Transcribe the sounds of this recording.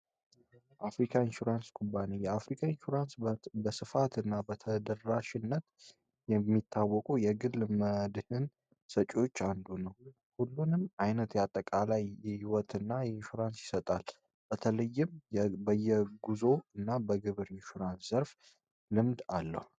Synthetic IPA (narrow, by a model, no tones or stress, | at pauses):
ʔafɾikʰaɪnʃuɾanskʼubanijɛafɾikʰaɪnʃuɾansbəsɨfat̪ɨnːabət̪ʰəd̪əɾːaʃɪnːət̪ | jɛmːit̪ʰːawːɔkʼujɛɡɨlːməd̪hɨn | sət͡ʃʼo̞t͡ʃːand̪unəw | hulːunɨmajnət̪jɛat̪ʼːəkʼalajːɛhiwɔt̪ɨnːajɛɪnʃuɾansjɪsət̪ʼal | b̥ət̪ʰələjːɪmbəjːɛɡuzo̞ɨnːabəɡɨβɨɾɪnʃuɾanszəɾf | lɨmd̪alːə̰hu